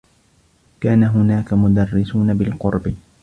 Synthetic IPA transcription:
kaːnaɦʊnaːkamʊd̪ɑrːɪsuːnabɪlqʊɾbɪ

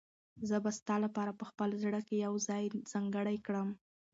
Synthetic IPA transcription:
zəbast̪ɑlapɑɾapəxpəlzɽəkejawzɑjz̥aŋɡəɽajkɽəm

